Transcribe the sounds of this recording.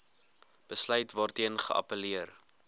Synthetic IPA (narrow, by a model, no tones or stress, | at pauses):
b̥əslœɥtvɑːrtiənχə̰ʔɐ̰pəliər